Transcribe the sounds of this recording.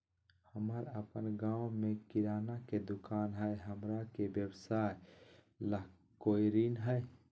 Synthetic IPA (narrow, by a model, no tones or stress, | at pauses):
həməɾəpənɡaːwmẽkɪɾaːnaked̪ʊkaːnɦɛeɦəmɾakebjəwsaːe | lə | koːjɾiːnɦɛe